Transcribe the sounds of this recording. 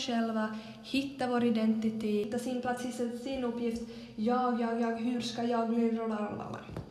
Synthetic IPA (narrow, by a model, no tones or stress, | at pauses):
ʃɛlʋa | hɪt̪ːaʋoːɾɪd̪ɛnt̪ɪt̪eːt̪ːasinplat̪sɪsɛsinɵpːjɪft̪ | jɑːɡjɑːɡjɑːɡɦʉɾskɑjɑːɡliːɾɔlaɾɑnbɑ̰lːa̰ɾ